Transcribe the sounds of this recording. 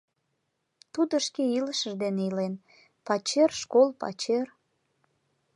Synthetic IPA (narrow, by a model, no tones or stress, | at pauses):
t̪ud̪əʃkeiləʃəʒd̪eneilen | pɑt͡ɕerʃkolpɑ̰t͡ɕer